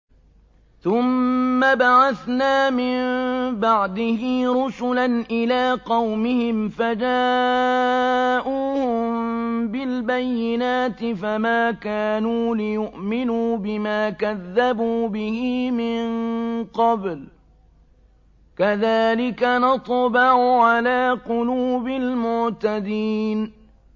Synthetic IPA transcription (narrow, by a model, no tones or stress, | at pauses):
θʊmːabaʕaθnaːmɪmbaʕd̪ɪhɪɾʊsʊlanʔɪlaːqɑwmɪhɪmfad͡ʒaː | ʔuːhʊmbɪlbajːɪnaːt̪ɪfamaːkaːnuːlɪjʊʔmɪnuːbɪmaːkaðːabuːbɪhɪmɪnqɑbl | kaðaːlɪkanɑt̪ˤbɑʕʊʕalaːqʊluːbɪlmʊʕt̪ad̪iːn